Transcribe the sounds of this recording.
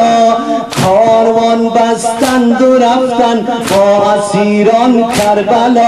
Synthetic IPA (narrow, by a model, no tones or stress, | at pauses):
kʰɔɾwɔnb̪ast̪and̪ʊɾaft̪anbɔaziɾɔnkʰaɾbalɔ